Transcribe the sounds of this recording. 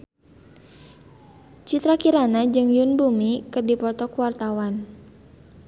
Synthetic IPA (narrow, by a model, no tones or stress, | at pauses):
t͡ʃit̪ɾakiɾanad͡ʒɨŋjunbumikɨrdipɔt̪ɔkuwart̪awan